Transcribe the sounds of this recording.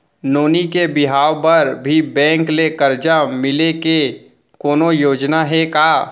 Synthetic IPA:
noːnikebɪɦaːwpəɾbʱibɛ̃ːŋklekəɾd͡ʒamɪleke | koːnojoːd͡ʒnaɦɛkaː

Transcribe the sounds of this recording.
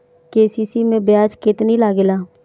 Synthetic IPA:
keːsiːsimẽbjaːd͡ʒkɪt̪nilaːɡelaː

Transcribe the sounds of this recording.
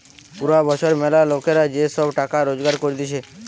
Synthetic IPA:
puɾabɔt͡ʃʰoɾmɛlalokeɾad͡ʑeʃɔbʈakaɾod͡ʒɡaɾkoɾid̪it͡ʃʰe

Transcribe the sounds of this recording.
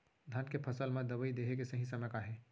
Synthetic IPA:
d̪ʱãnkepʰɐsəlmẽd̪ɐʋəid̪eːɦek̬esɐɦĩsɐmɛkaɦɛː

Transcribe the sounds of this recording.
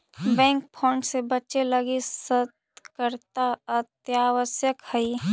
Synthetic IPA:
bɛ̃ːŋk̚pʰɔ̃ːɳɖsebət͡ʃeləɡesət̪̚ | kəɾt̪aət̪jaːʋəsjəkhəi

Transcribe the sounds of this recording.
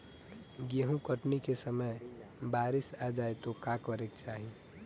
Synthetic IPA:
ɡeɦũkəʈnikesəməjbaːɾɪsad͡ʒaːet̪okakəɾekt͡ʃaːɦi

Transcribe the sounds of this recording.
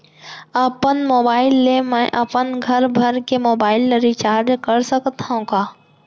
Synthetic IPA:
əpənmoːbaːɪlːemɛ̃ʔɐpənɡʱɐɾbʱɐɾkemoːbaːɪlːəɾit͡ʃaːɾd͡ʒkɐɾsəkt̪aũkaː

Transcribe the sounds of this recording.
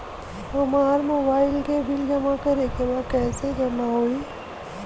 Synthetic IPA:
ɐmaːɾmoːbaːɪlkebʱɪld͡ʒɐmakəɾekebakɛːseɡɐnaɦoːiː

